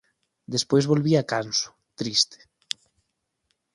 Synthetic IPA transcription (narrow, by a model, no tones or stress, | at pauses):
d̪espojzβolβiakansʊ̥ | t̪ɾist̪e̥